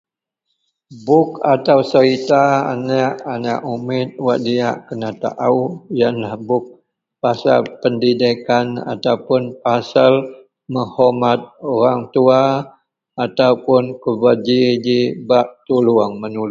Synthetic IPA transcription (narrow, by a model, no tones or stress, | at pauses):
bʊk̚at̪awsəɾit̪a̰ːnaʔanaʔumɪt̪̚waʔ̚diaʔkənat̪a̰ʔaujanlahbʊk̚ | pasa̰lpəndidikana̰t̪awpʊnpasal | məhɔmat̪̚oɾaŋt̪uaː | t̪awpʊnkəbad͡ʒid͡ʒibaʔ̚t̪uluaŋmənul